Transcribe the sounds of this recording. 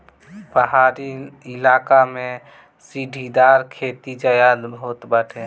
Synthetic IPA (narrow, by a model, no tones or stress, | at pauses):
bəɦaɾiɪlaːkamẽ | siɖʱid̪aɾkʰet̪id͡ʒəjad̪bot̪bəʈʰe